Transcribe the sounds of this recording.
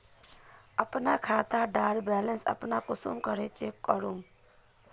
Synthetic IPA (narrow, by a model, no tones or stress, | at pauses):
əpnakʰaːt̪aɖaːɽbɛlənsə̰pnakʊsṵmkəɾet͡ʃekːəɾum